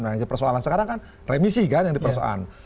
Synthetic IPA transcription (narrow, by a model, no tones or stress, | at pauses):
nad͡ʒapərsoalansəkaɾaŋkan | remisikanjaŋdipəɾsoa̰la̰n